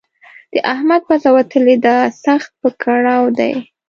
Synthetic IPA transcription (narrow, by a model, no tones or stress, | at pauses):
d̪̥əʔahmad̪̚pazawat̪əled̪asaxt̪̚pəkʰaɽawd̪a̰j